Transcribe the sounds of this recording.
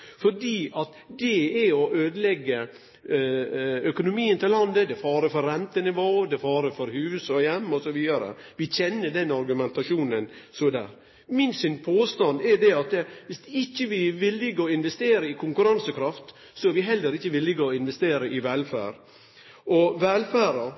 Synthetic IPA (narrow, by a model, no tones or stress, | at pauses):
fɔɖiːʔɑt̪ | d̪ɛɛɔʔøːd̪əlɛɡːə | œkʊnʊmiːənt̪ɪllɑnd̪əd̪ɛfɑːɾəfɔɾɾɛnt̪ənɪʋoːd̪ɛfɑːɾəfɔɾhʉːsɔjɛmːɔsɔʋiːd̪ɑɾə̰ | ʋɪçɛnːəɖɛnɑɾɡʉmɛnt̪ɑʂuːnənsɔd̪æ̰ːɾ | mɪnsʏnpʰoːst̪ɑnd̪ɛd̪ɛɑt̪ʋɪsɪçːəʋɪʋɪlːɪɡəɔɪnʋɛst̪eːɾəɪkʰʊŋkʉɾɑnsəkʰɾɑft̪ | sɔɛɾʋɪɦɛlːəɾɪçːəʋɪlːɪɡəɔɪnʋɛst̪eːɾəʔɪʋɛlfæ̰ːɾ | ɔʋɛlfæːɾə